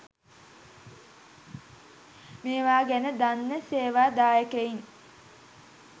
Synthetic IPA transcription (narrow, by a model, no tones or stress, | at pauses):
meːʋaːɡænəd̪anːəseːʋaːd̪aːjəkəin